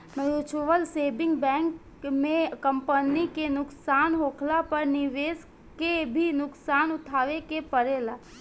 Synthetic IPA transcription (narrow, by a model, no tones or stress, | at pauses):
məjut͡ʃʰoʋəlseːbɪ̃ŋɡbɛ̃ːŋk | mẽkə̃mpənikenʊksaːnɦoːkʰlapəɾnɪʋeːs | kebʱinʊksaːnʊt̪ʰaːʋekepəɾeːlaː